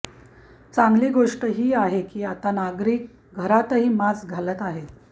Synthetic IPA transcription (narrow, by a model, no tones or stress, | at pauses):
t͡saŋɡliːɡoʂʈəɦiːaɦekiːat̪anaɡɾiːk̚ | ɡʱəɾat̪əɦiːmat͡sɡʱalət̪aɦe